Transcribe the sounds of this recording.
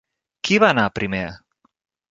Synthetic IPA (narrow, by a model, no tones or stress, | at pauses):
kʰiβaːnapɾime